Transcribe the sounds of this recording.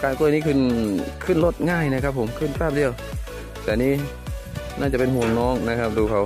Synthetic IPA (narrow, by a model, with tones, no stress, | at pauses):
kaː˧˩nkːniː˥˧kʰɯ˧˥˩nkʰɯ˧˥˩nlo˦˥t̪̚ŋaː˥˩jna˧˥kʰa˦˥pʰːo˩˦mkʰɯ˧˥˨npaː˥˩p̚di˧˨əw | t̪ɛː˧˨niː˦˥˨ | naː˥˩nt͡ɕa˧˩pe˧nɦuː˧˩ŋnɔː˦˥˩ŋna˦˥kʰa˦˥p̚duː˧kʰa˨˦w